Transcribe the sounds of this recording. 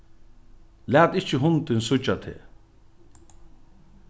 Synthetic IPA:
læːt̪ɪht͡ʃɪɦʊnt̪ɪnsʊt͡ʃːat̪ʰḛː

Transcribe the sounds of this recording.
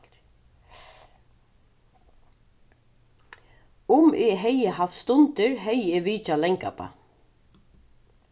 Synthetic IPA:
ʊmɪɦɛjɪhafst̪ʊnt̪ɪɹɦɛjɪʋiːt͡ʃalɛŋka̰pa̰

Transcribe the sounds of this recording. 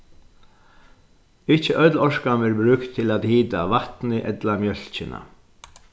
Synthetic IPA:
ɪht͡ʃːəʔœt̪lɔʂkamɪɹbɾʉːkt̪ʰːɪlaːt̪hiːt̪aʋaht̪nɪʔɛt̪lamjœl̥t͡ʃɪna̰

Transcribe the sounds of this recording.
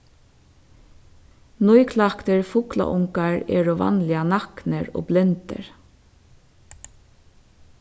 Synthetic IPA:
nɔjkʰlakt̪əɹfʊkla̰ʔʊŋkaɹɛ̰ːɹoʋa̰nlɪanɑknəɹo̰ːblɪnt̪ə̰ɹ

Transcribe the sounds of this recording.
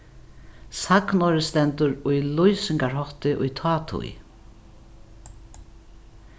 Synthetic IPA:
saknɔɾɪst̪ɛnt̪ʊɾʊjlujsɪŋkaɹɦɔht̪ɪʔʊ̰jt̪ʰɑːt̪ʰṵj

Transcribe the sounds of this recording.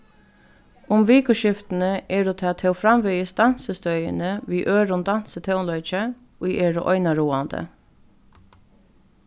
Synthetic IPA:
ʊmʋiːkʊʃɪft̪n̩əʔɛːɖuːt̪ʰat̪ʰɛʊfɾamʋœʏəsd̪ɑn̥səst̪œʏə̰nəʋiːʔøːɾʊnd̪an̥sət̪ʰɛʊnlœʏt͡ʃə | oːjeːɾʊ̰ʔɔ̰ʏnaɾuːand̪ə̰

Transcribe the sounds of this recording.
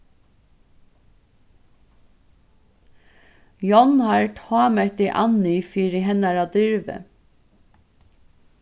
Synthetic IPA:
jɔnhɑɹʈʰhɑːmɛd̪iʔɑnʏfiːɾɪɦɛnɑɾɑːd̪ʏɹʋə̰

